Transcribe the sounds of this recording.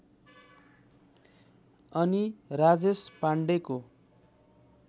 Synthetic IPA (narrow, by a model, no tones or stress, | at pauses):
ʌnirad͡zespaɳɖeko